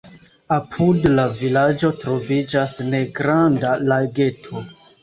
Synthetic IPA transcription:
apʰudlavilad͡ʒo̞tɾo̞vid͡ʒasne̞ɡɾandalaɡe̞tʰo̞

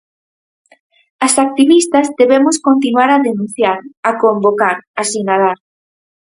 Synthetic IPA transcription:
ɐsak̚t̪iβist̪ɐzd̪eβemʊskont̪̬inuaɾaðenũnθjaɾakombokaɾasinaðaɾ

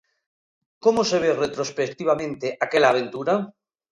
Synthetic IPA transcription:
komoseβ̞eret̪ɾospek̚t̪iβamẽnt̪eʔakelaːβ̞ent̪uɾa

